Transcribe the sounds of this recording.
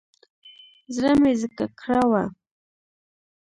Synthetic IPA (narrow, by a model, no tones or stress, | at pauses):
zɾamɪzəkakʰɾawa